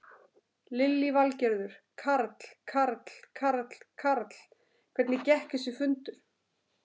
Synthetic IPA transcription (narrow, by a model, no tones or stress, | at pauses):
lɪlːivalcɛɾðʏɾ̥kʰaɾt̪l̥kʰaɾt̪l̥kʰaɾt̪l̥kʰaɾt̪l̥ | kʰvɛɾt̪nɪcɛhkɪsʏfʏnt̪ʏɾ̥